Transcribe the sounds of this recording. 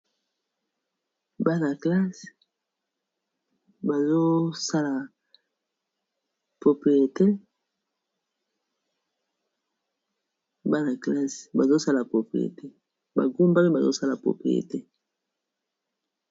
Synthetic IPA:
ba˦na˨kla˦s | ba˨zo˦sa˦la˨ | po˨pi˨e˨te˦ | ba˦na˨kla˦sba̰˨zo˦sa˦la˨po˨pḭ˨ʁḛ˨te˦ | ba̰˨ɡo˦mba˦me˦ba˨zo̰˦sa˦la˨po̰˨pḭ˨ʁḛ˨te˦

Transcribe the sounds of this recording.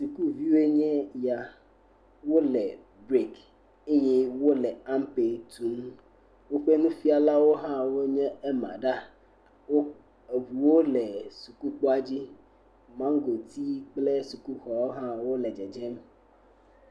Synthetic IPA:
su˨ku˦vi˦e˦ɲɛ̃˦ja˨ | wo˦lɛ˨ | bɾe˦k | e˦ɲɛ̃˦wo˦lɛ˨a˦mpe˨t̪ʰu˨˦m | wo˦ɸe˦nũ˦fi˦a˨la˦wo˦ɦã˦wo˦ɲɛ̃˦e˦mã̰˨ɖa˦ | wo˦ | e˨βu˨wo˦lɛ˨su˨ku˦k͡po˦a˦d͡ʑi˦ | mã˦ŋ˦ɡo˨t̪ʰi˦k͡ple˦su˨ku˦xɔ˨wo˦ɦã˦wo˦lɛ˨d͡ʒɛ˨d͡ʒɛ˦m

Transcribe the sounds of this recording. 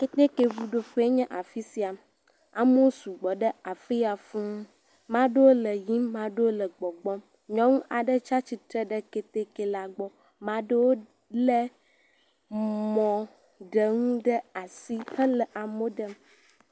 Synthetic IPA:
ke˦t̪e˦ke˨vu˨ɖo˨fe˦e˦ɲɛ̃˦ʔa˨fi˦si˦a˨ | a̰˨mo˦su˨ɡ͡bɔ˨ɖə˦a˨fi˦ja˨fũ˦ŋ˦ | mã˦ɖe˦wo˦lə˨ji˦mmã˨ɖe˦wo˦lə˨ɡ͡bɔ˨ɡ͡bɔ˦m | ɲɔ̃˦ŋũ˦ʔa˨ɖə˦t͡ʃa˦t͡ɕi˨t̪ɾə˦ɖə˦ke˦t̪e˦ke˨la˨ɡ͡bɔ˦ | mã˨˦ɖə˦wo˦ | lɛ˦ | mɔ̃˨ | ɖə˨ŋũ˦ɖə˦a˨si˦hə˦lə˨ʔa˨mo˦ɖə˦m

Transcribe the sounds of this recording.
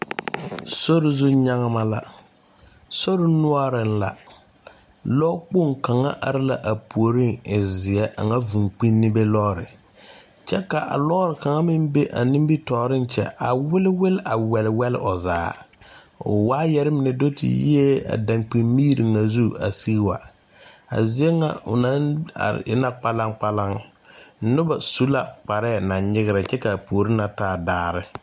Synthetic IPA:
so˦ɾɪ˨zu˦ɲa˦ŋa˦ma˦la̰˦ | so˦ɾɪ˦nʊ˦a˦ɾɪ˨n˦la̰˨ | lɔ˦k͡pʊ˦˨ŋka˨ŋa̰˦ʔa˨ɾɪ˦la˦ʔa˨pu˨o˨ɾi˦ŋɪ˨zɪ˨ɛ˦ʔa̰˨ŋa˦vu˨ŋk͡pi˦nːɪ˦be˦lɔ˦ɾɪ̰˨ | t͡ʃɛ˦ka˨ʔa̰˨lɔ˦ɾɪ˨ka˨ŋa˦mɪ˦mbe˦ʔa˨nɪ˦m˦bi˦tɔː˨ɾɪ˦n˦t͡ʃɛ̰˨ʔa˨wɪ˦lɪ˦wɪ˦lɪ˦ʔa˨wɛ˨lɪ˨wɛ˦lɪ̰˦ʔɔ˨zaː˨˦ | ʊ̰˨waː˦jɛ˨˦ɾɪ˦mɪ˨nɛ˨do˦tḭ˨jḭ˦e˦a̰˨dã˨ŋk͡pi˨mmiː˦ɾi˨ŋa˨zu˦a̰˨si˦ɣwa̰˨ | a̰˨zɪ˦e˦ŋa˨ʊ̰˨na˦na̰˨ɾ̰ɪ̰˦na˦k͡pa˦la˦ŋk͡pa˦la˦ŋ˦ | nʊ˦ba˨su˦la˨k͡pa˨ɾɛː˦˨na˨nɲɪ˦ɣɪ˦ɾɪ˨t͡ʃɛ˦ka˨poː˨ɾɪ˦na˨taː˦daː˦˨ɾɪ˦

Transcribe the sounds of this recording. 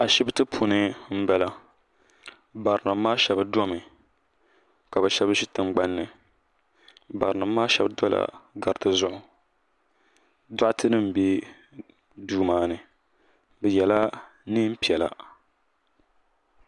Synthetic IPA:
a˨ʃi˦btɨ˦pʰu˨nɨ˦m̩˦bɛ˦la˦ | ba˨ɾna˨mː˦aː˦ʃɛ˨bɨ˦dɔ˦mɨ˨ | ka˨bɛ˨ʃɛ˦bɨ˦ʃi˦tɨ˨ŋ͡mɡ͡ba˦nːɨ˨ | ba˨ɾɨ˨na˨mː˦aː˦ʃɛ̰˨bdɔ˦la̰˨ɡa˨ɾɨ˨tɨ˦zʊ˦ʔʊ˨ | dʊ˦ʔtɨ˦nɨ˦m̩˨be˦ | duː˦maː˦nɨ˨ | bɛ˨jɛ˨la˦ | nɨ˦m̩˦pi˨ɛ˨la̰˨

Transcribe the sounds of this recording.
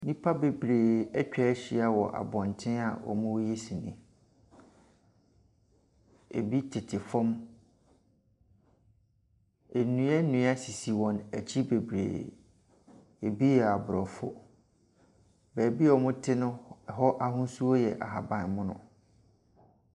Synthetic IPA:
nĩ˦pʰa˦be˨bɾeː˨ɛ˦t͡ɕᶣɛ˦ɕi˨˦a˦wɔ˨ʔa̰˨bɔ̃˨n˨tʰɪ̃˦a˨wɔ̰˨mʊ̃˦wje˦sĩ˨nɪ̰̃˨ | ḛ˨bi˦tʰɪ˨tʰɪ˨fɔ̃˦m | e˨nũ˨˦ɛ˦nũ˨˦a˦si˨si˨wɔ̃˨nɛ˨t͡ɕʰi˦be˨bɾḛː˨ | e˨bi˦jɛ˨a˨bɾɔ˨fʊ̰˦ | bɛː˨bi˦ɔ˨mʊ̃˦tʰɪ˦nʊ̃˦˨ɦɔ˦ʔa˦˨ɦʊ̃˦su˦o˦jɛ˨ʔa̰˨ɦa˨bã˨nmʊ̃˦nʊ̰̃˦

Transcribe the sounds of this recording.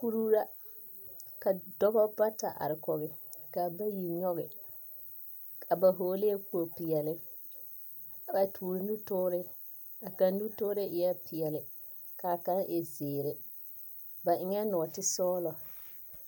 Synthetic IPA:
ku˦ɾu˦ɾa˦ | ka˨dɔ˦bɔ˦ba˦ta˨ʔa̰˨ɾɪ˨kɔ˨ɣɪ˨ka˨ba˦ji˨ɲɔ˦ɣɪ˨ | kʰa˨ba˨ɦoː˨˦le˦ku˦o˨pɪ˨jɛ˨lɪ˨ | a˨ba˨tʰuː˨ɾɪ˨nu˦tʊː˦ɾɪ˦ | a˨ka˨n˦nu˦tʊː˦ɾɪ˦ɪ˨jɛ˦pɪ˨ɛ˨lɪ˨ | ka˨ka˦nʔɪ˨zeː˨ɾɪ˨ | ba˨ʔɪ˨˦ŋɛ˦nɔ˨ɔ˨tɪ˦sɔː˦lɔ˨

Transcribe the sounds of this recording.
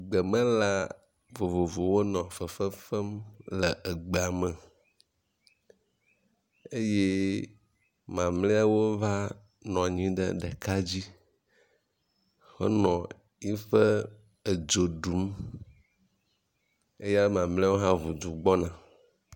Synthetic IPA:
ɡ͡bə˨mə̃˦la˦ | vo˨vo˨vo˨wo˦nɔ̃˨fə˨fə˦fɛ˦mlə˨ʔə˨ɡ͡be˨a˨mə̃˨ | e˦je˦ | mã˨mlẽ˦a˦wo˦va˦ | nɔ̃˨ɲĩ˦ɖə̰˨ɖɛ˨ka˦d͡ʑi˦ | xo̰˦nɔ̃˨ | i˦fə˦ | ə˨d͡ʒo˨ɖu˨˦m | e˦ja˦lmã˨mlẽ˦a˦wo˦ɦã˦vu˨d͡ʒu˨ɡ͡bɔ˦nã˨

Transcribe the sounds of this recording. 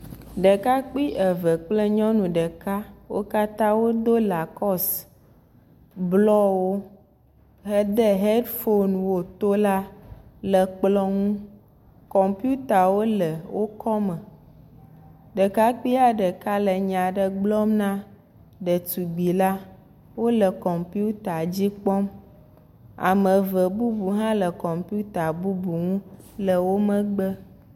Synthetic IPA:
ɖə˨ka˦k͡pi˦ʔə˨və˨k͡plə˦ɲɔ̃˦nũ˨ɖə˨ka˦wo̰˦ka˦t̪ã˦wo˦d̪o˦la˨kɔ˦s | blɔ˦wo˦ | ɦə˦d̪ə˦ɦe˦ɖfo˦nwo˨t̪o˦la˦lə˨k͡plɔ˦ŋũ˦ | kɔ˨mpi˦u˦t̪a˨wo˦lə˨wo˦kʰɔ˦mə˨ | ɖə˨ka˦k͡pi˦a˦ɖə˨ka˦lə˨ɲã˨ɖə˨ɡ͡blɔ˦mnã˦ | ɖə˨t̪u˨ɡ͡bi˨la˦ | wo˦lə˨kɔ˨mpi˦u˦t̪a˨d͡ʑi˦k͡pɔ˦m | a̰˨mə̃˨və˨bu˦bu˨ɦã˦lə˨kɔ˨mpi˦u˦t̪a˨bu˦bu˨ŋũ˦lə˨wo˦mə̃˦ɡ͡bə˦

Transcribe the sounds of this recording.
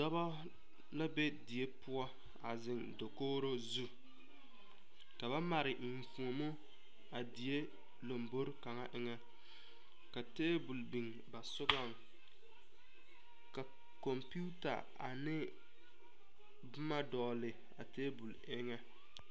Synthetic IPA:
dɔ˦bɔ˦ | la˦be˦di˨e˦pʊ˦ɔ˦ | a˨zɪ˨ŋdo˨koː˦ɾo˦zu˦ | ka˨ba˦ma˨ɾɪ˨m̩˨fu˨o˨mʊ˦ | a˨di˨je˦ | lo˨mbo˦ɾka˨ŋa˦ʔɪ˦ŋɛ˦ | ka˨teː˦bu˨lbi˨ŋ | ba˨sʊ˦ɡɔ˦˨ŋ | ka˨ | kɔ˨mpu˦ta̰˨ | a̰˨nɪ˦ | bʊ˦ma˦dɔː˨lɪ˨ | a̰˨teː˦bu˨l | ɪ˦ŋɛ˦

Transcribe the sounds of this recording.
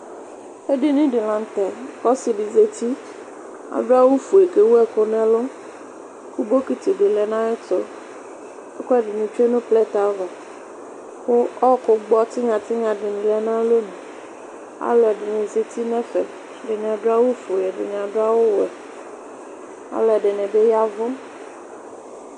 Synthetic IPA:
e˦ɖɪ˨nĩ˦ɖɪ˨lã˨n˦to˨kɔ˦si˨ɖi˨ze˨t̪i˦ | a̰˨ɖɾa˦wu˦fu˨e˨ke˨wu˦ɛ˦ko˨nɛ̃˦lo˦ | ku˦bo˦ki˦t̪i˨ɖɪ˨lɛ˨nã˦e˦t̪o˦ | e˦kɔ˦ɛ˦ɖɪ˨nĩ˨t͡ʃu˦e˦nõ˦plɛ˦t̪a˨˦vɔ˨ | ko˦ɔ˦ko˨ɡ͡bɔ˦t̪i˦ŋã˨t̪i˦ŋã˨ɖe˨nĩ˨lɛ˨nã˦lo˦nũ˨ | a̰˦lɔ˨ɛ˨ɖe˨nɛ̃˨ze˨t̪i˦nɛ̃˦fɛ̰˨ | ɖe˨nɛ̃˨a˨ɖa˦wu˦fu˨ɛ˨ɖḛ˨ɲ˨a˨ɖo˦a˦wo˦wɛ˨ | a̰˨lɔ˨ɛ˨ɖe˨nɛ̃˨be˦ja˦vɔ̃˦

